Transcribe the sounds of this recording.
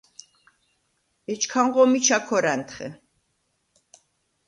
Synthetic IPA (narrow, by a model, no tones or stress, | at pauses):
ɛt͡ʃkʰaŋʁɔmit͡ʃʰakʰɔɾant̪ʰχɛ̰